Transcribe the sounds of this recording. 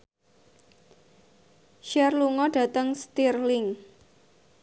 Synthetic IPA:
ʃɛrluŋɔɖ̥a̤t̪əŋst̪irlɪŋ

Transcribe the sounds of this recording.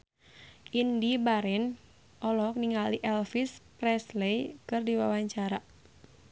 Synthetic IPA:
ʔindibaɾɛn | ʔɔlɔk̚niŋaliʔɛlfispɾɛslejkɨrdiwawaɲt͡ʃaɾa

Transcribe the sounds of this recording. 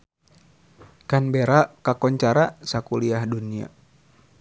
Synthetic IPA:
kanbeɾakakɔɲt͡ʃaɾasakuliahdunia̰

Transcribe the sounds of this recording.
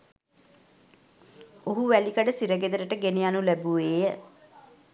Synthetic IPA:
oɦuʋælikəɖəsiɾəɡed̪əɾəʈəɡenejanulæbuʋeːjə

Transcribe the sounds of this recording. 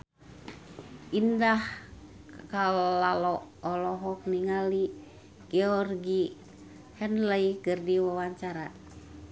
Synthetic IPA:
ʔindah | kalalɔʔɔlɔɦɔk̚niŋali | ɡ̥ɛɔrɡi | hɛnləikɨrdiwawaɲt͡ʃaɾa

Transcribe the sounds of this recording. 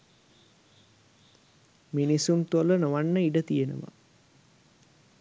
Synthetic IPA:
minisunt̪uolənoʋanːəiɖət̪ijenə̰ʋa̰

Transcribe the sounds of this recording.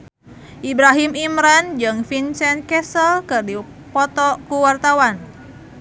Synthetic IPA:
ʔibɾaɦimimɾand͡ʒɨŋfinsɛnkɛsəlkɨrdi | pɔt̪ɔkuwart̪awan

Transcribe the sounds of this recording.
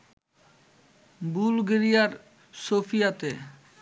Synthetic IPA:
bulɡeɾijaɾ | sofijat̪e

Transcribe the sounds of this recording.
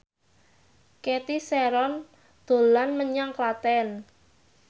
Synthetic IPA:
ket̪isɛɾɔn | d̪̥o̤lanməɲaŋklat̪ɛn

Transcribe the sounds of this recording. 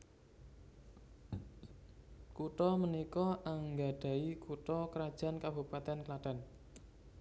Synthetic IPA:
kuʈɔmənikɔʔaŋɡa̤ɖ̥a̤ikuʈɔkəɾad̥ʒ̥a̤nkabupat̪ɛnklat̪ɛn

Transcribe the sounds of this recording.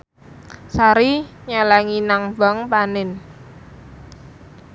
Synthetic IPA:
saɾiɲalaŋinaŋba̤ŋpanɪn

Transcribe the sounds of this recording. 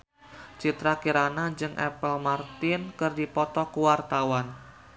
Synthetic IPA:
t͡ʃit̪ɾakiɾanad͡ʒɨŋʔɛ̰pəlmart̪ɪnkɨrdipɔt̪ɔkuwart̪awan

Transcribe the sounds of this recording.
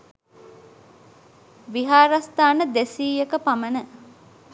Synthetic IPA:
ʋiɦaːɾast̪aːnəd̪esiːjekəpamənə

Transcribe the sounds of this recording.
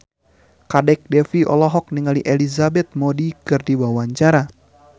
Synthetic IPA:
kadɛk̚dɛfiɔ̰lɔɦɔk̚niŋaliʔelizabɛt̪̚modikɨrdiwawaɲt͡ʃaɾa

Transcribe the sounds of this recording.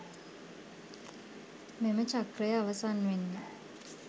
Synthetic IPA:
memət͡ʃʰakrɛjaβasanwenːi

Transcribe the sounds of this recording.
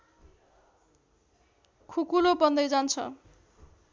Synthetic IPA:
kʰukulobʌnd̪ʌjd͡zant͡sʰʌ̰

